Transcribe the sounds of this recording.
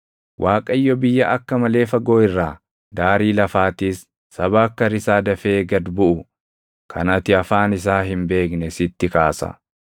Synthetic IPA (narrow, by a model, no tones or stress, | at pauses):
wʔaːkʼɐjːɔbɪjːɐʔɐkːɐmɐle̞ːfɐɡoːɪrːaː | d̪aːɾiːlɐfaːt̪iːsː | ɐbaːkːɐɾɪsaːd̪ɐfe̞ːɡɐd̪bʊʔʊ | kʰɐ̰nɐt̪ɪɐfaːnɪs̬aːɦɪmbe̞ːknɛsɪt̪ːɪkaːsɐ̰